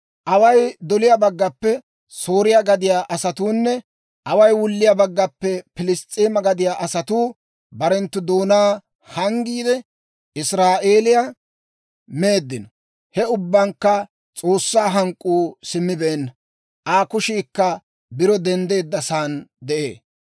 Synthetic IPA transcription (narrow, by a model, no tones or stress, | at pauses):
ʔɐwɐjd̪ɔlɪjabɐɡːɐpːɛ | so̞ːɾɪjaɡɐd̪ɪjaːʔɐsɐt̪uːnːɛ | ʔɐwɐjwʊlːɪjabɐɡːɐpːɛpɪlɪst̪ʼeːmɐɡɐd̪ɪjaʔɐsɐt̪uː | bɐɾɛnt̪ːʊd̪o̞ːnaː | hɐŋɡiːd̪ɛ | ɪsɾaːʔe̞ːlɪja | me̞ːd̪ːɪnɔ | hɛʊbːɐŋkːɐ | t͡sʼo̞ːsːaːɦɐŋkʼːuːsɪmːɪbeːn | ʔaːkʊʃiːkːɐ | bɪɾɔd̪ɛnd̪e̞ːd̪ːɐsaːnd̪ɛʔḛː